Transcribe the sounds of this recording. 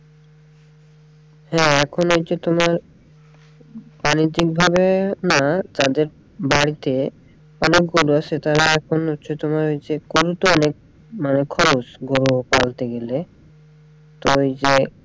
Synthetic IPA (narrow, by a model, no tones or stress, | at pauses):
hɛ̃ːɛkʰonojt͡ɕet̪omaɾ | banid͡ʑik̚bʱabenad͡ʑad̪eɾ | baɽit̪e | ɔnek̚ɡoɾuasʰet̪aɾaɛkʰonɦotːɕʰet̪omaɾojt͡ɕeɡoɾut̪oɔnek̚ | manekʰɔɾot͡ɕɡoɾupalt̪eɡele | t̪ojd͡ʑe